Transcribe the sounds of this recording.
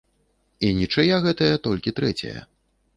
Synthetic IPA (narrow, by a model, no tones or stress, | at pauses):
inʲit͡ʂɐjaɣɛt̪ɐjɐt̪ɔlʲkʲit̪ɾɛt͡sʲɐ̰jɐ̰